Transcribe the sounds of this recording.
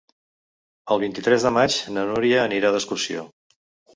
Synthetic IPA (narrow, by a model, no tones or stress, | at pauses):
əlˠβint̪it̪ɾɛzðəmat͡ʃnənuɾiəːniɾaðəskursio̰